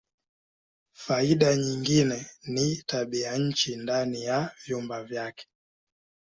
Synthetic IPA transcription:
faiɗaɲiŋɡinɛnitaɓiaɲ̩t͡ʃindanijavjumbavjakɛ̥

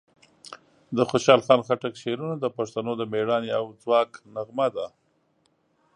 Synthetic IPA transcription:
d̪əxoʃɑlxɑnxaʈakʃeɾunad̪əpaʂt̪anod̪əmeɽɑneawd͡zwɑknaɣmad̪a

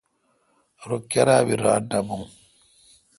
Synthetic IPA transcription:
ɾokaɾabiɾa̰nabuŋ

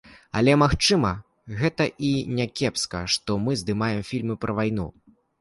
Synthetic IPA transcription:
ɐ̰lʲɛmaxt͡ʂɨmɐ | ɣɛt̪ɐʔinʲakʲɛpskɐ̰ʂt̪ɔmɨzd̪ɨmajɛmfʲilʲmɨpɾʔɐvajn̪ṵ

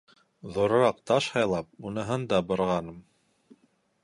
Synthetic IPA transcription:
ðŏɾŏɾɑq̚t̪ɑʃhɑjlˠɑp̚unɤ̆ɦɤnd̪ɑbŏɾʁɑnɤm

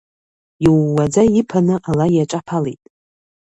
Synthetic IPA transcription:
jiwːad͡zaipʰanɨʔalajaʈ͡ʂʼapʰalejtʼ

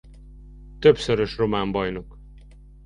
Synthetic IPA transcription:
t̪øpsøɾøʃro̞maːmbɒjno̞k

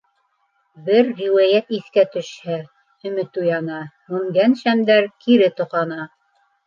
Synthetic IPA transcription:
bɘɾːiwæjæt̪iθkæt̪ɵ̆ʃhæ | ɵ̆mɘt̪ujɑnɑ | mɵ̆ŋɡænʃæmd̪æɾkiɾɘt̪ŏqɑnɑ

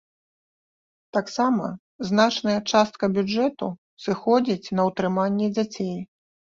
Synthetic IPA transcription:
t̪aksamɐ̰ | znat͡ʂnɐjɐt͡ʂast̪̚kɐbʲud͡ʐɛt̪u | sɨxɔd͡zʲit͡sʲnɐwt̪ɾɨmanʲːɛd͡zʲat͡sʲej

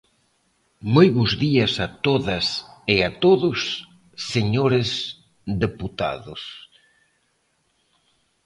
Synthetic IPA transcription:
mojβuzðiɐsɐt̪oðɐseat̪oðʊsː | eɲoɾes | ðeput̪a̰ðʊs

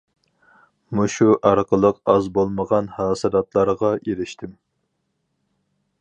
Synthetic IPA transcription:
muʃuʔɑɾqʰəlˠəqɑzbolˠməʁɑnhɑːsɨd̪ɑt̪lˠɑɾʁɑjeɾɪʃt̪ʰɪm

